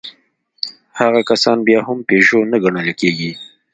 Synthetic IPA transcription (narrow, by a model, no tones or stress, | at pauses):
haɣakasɑnbjɑhʊmpeʒonaɡaɳəlkeɡi